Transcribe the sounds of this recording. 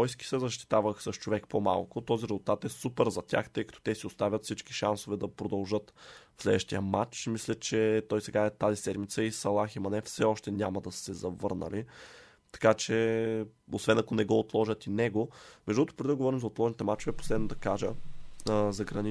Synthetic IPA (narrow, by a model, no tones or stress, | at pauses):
ɔjski̥sɛzɐʃt̪i̥t̪avəxsəʃt͡ʃovɛkpoma̰lˠkʊt̪ɔziɾɛzʊlˠt̪at̪ɛsupɛɾzɐtʲa̰xt̪ɤjkɐ̥t̪ɔ̥t̪ɛsiʊst̪avʲət̪fsit͡ʃki̥ʃansovɛd̪ɐpɾod̪ɐlˠʒɤt̪fslɛ̰d̪vəʃt̪ijəmat͡ʃmislʲət͡ʃɛt̪ɔjsɛɡaɛt̪azisɛd̪mit̪səisɐlˠaximɐnɛfsɛɔʃt̪ɛnʲamɐd̪ɐsɛzɐvɤɾnə̰li | t̪ɐ̥kat͡ʃɛ | osvɛnɐkonɛɡɔot̪lˠɔʒət̪inɛɡomɛʒd̪uət̪ʊpɾɛd̪id̪əɡovɔɾimzɐot̪lˠɔʒɛnit̪ɛmat͡ʃovɛpo̥slɛd̪nod̪ɐkaʒə | zɐɡɾɐni